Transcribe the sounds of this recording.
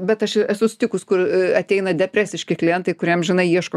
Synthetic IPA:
bʲɛt̪ɐʃɪɛsʊsʲɪ̥t̪ʲɪkʊskʊrɐt̪ʲɛɪnɐd̪ʲɛpʲɾʲæːsʲɪʃʲkʲɪklʲɪjɛnt̪ɐɪkʊɾʲiɛmʒʲɪnɐɪiɛʃko

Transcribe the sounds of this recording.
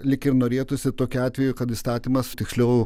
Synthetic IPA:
lʲɪkɪɾnoːɾʲeːt̪ʊsʲɪt̪oːkʲʊɑːt̪ʲʋʲɛjʊkɐt̪ist̪ɑːt̪ʲiːmɐst̪ʲɪksʲlʲɛʊ

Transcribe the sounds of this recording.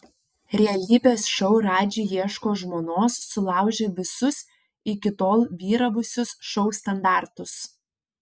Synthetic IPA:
ɾʲɛɐlʲiːbʲeːsʃɔʊɾɑːd͡ʒʲiːjiɛʃkoːʒmoːnoːsːʊlˠɑˑʊʒʲeʋʲɪsʊs | ɪkʲɪt̪oːlˠʋʲiːɾɐʋʊsʲʊsʃɔʊst̪ɐnd̪ɑːˑɾt̪ʊs

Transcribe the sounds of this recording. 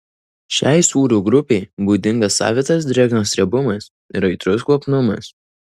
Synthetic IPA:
ʃʲæˑɪsuːɾʲuːɡɾʊpʲɛɪbuːd̪ʲɪŋɡɐsːɑ̰ːʋʲet̪ɐs̬d̪ʲɾʲɛːɡnoːsʲɾʲiɛbʊmɐs | ɪ̰ɾɐɪt̪ɾʊs̬ɡlˠopnʊmɐ̰s

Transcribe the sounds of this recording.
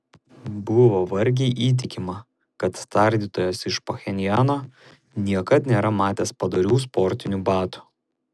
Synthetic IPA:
bʊʋoʋɐɾʲɡʲɛɪʔiːt̪̬ʲɪkʲɪmɐ | kɐt̪st̪ɐˑɾʲd̪ʲiːt̪oːjosɪʃpoxʲɛnʲɪjæːnoː | nʲiɛkɐt̪nʲeːɾɐmɑːt̪ʲeːspɐd̪ɐɾʲuːspɔɾʲt̪ʲɪnʲuːbɑːt̪u̥ː

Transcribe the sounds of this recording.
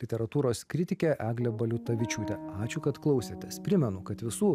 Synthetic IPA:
lʲɪt̪ʲɛɾɐt̪uːɾoːskɾʲɪt̪ʲɪkʲɛʔæːɡlʲɛbɐlʲʊt̪ɐʋʲɪt͡ʃʲuːt̪ʲɛɑːt͡ʃʲʊkɐt̪klˠɒʊsʲet̪ʲɛspʲɾʲɪmʲɛnʊkɐt̪ʋʲɪsuː

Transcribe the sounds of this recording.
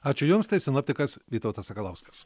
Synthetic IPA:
ɑːt͡ʃʲʊjʊmst̪ɐɪsʲɪnoːpʲt̪ʲɪkɐsʋʲiːt̪oʊt̪ɐsɐkɐlˠɐʊsʲmʲɐs

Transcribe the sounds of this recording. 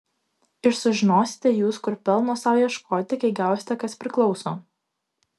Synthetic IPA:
ɪʃsʊʒʲɪnoːsʲɪ̥t̪ʲɛjuːskʊɾpʲɛlˠnoːsɑˑʊjɛʃkʰoːt̪ʲɪkɐɪɡʲæˑʊsʲɪ̥t̪ʲɛkɐspʲɾʲɪklˠɒʊsoː

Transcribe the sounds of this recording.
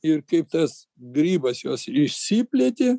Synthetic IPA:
ɪrkɐɪp̚t̪ɐs | ɡɾʲiːbɐsjoːsɪʃʲsʲipʲlʲeːt̪ʲeː

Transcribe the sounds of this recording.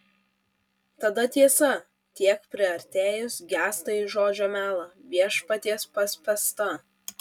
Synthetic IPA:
t̪ɐd̪ɐt̪ʲiɛsɐ | t̪ʲiɛkpʲɾʲɪɐɾʲt̪ʲeːjʊsɡʲæːst̪ɐɪʒoːd͡ʒʲoːmʲæːlˠɐʋʲiɛʃpɐt̪ʲiɛspɐsʲpʲɛst̪ɐ

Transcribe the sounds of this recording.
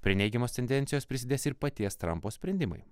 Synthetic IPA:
pʲɾʲɪnʲɛɪɡʲɛmoːst̪ʲɛnd̪ʲɛnʲt̪ʲɪjoːspʲɾʲɪsʲɪd̪ʲeːsɪɾpɐt̪ʲiɛst̪ɾɐ̰mpoːsʲpʲɾʲɛnʲd̪ʲɪmɐ̰ɪ

